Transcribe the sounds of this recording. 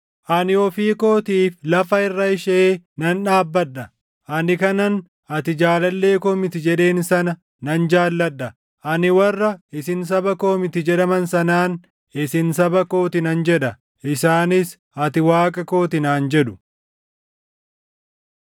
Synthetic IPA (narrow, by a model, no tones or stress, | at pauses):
ʔɐnɪɔfiːko̞ːt̪iːflɐfɐɪrːɐɪʃeːnɐnᶑaːbːɐɗːɐ | ʔɐnɪkɐnɐn | ɐt̪ɪd͡ʒaːlɐlːe̞ːkoːmɪt̪ɪd͡ʒɛᶑe̞ːnsɐnɐ | nɐnd͡ʒaːlːɐɗːɐ | ʔɐnɪwɐrːɐɪsɪns̬ɐbɐkoːmɪt̪ɪd͡ʒɛᶑɐmɐnsɐnaːn | ɪsɪnsɐbɐko̞ːt̪ɪnɐnd͡ʒɛᶑɐ | ʔɪsaːnɪs | ɐt̪ɪwaːkʼɐko̞ːt̪ɪnaːnd͡ʒɛᶑʊ̥